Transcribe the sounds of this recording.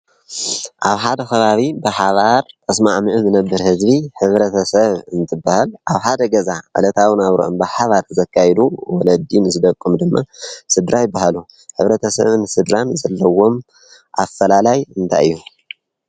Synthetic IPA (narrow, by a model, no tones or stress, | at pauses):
ʔaβħad̪ɐxʰɐβaβibɨħaβaɾt̪ʼɐsmaʕmɨʕɨmɨnɐbːɨɾhɨzbiħɨβɾɐt̪ʰɐsɐβɨnt̪ʰɨbːahalʔaβħad̪ɐɡɐzaʕɨ̰lɐt̪ʰawinaβɾo̰ʔonbɨħaβaɾʰɨzɐkʰːajɛd̪uwɔlɐd̪inzɨd̪ɐkʼːɨmd̪ɨmːasɨd̪ɾajɪbːahalu | ħɨβɾɐt̪ʰɐsɐ̰βɨnsɨd̪ɾanzɐlːɐwo̞m | ʔa̰fːɐlalajɨnt̪ʰa̰jɨjːu